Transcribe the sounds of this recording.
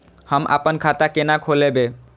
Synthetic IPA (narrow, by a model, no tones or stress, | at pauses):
həmʔa̰pənkʰat̪akenakʰolebe